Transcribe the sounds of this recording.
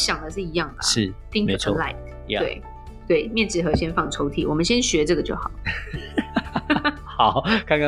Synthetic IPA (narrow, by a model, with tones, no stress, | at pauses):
ɕjɑ˨˩ŋd̪ə˩˦ʂ̬ɻ̩˥˩i˧˥jɑ˥˩ŋd̪ə̰˨˩ʂɻ̩˥˩t̪i˥˧ŋu˩ə˥la˥˩ɪt | we˥˩ɪ | t̪we˥˩ɪmjɛ˥˧nʈ͡ʂɻ̩˥˩xɤ˧˥ɕjɛ˥nfɑ˥˩ŋʈ͡ʂʰo˧˥ʊt̪ʰḭ˨˩wɔ˨˩mə˨˦nɕjɛ˥nɕɥɛ˧˥ʈ͡ʂɤ˥˩ɡə˩t͡ɕjo˥˩ʊxɑ̰˨˩˦ʊ | hɑ˨˩˦kʰa˥˧k